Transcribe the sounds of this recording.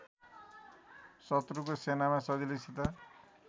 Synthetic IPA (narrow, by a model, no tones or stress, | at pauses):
sʌt̪ɾukosenamasʌd͡zilisit̪ʌ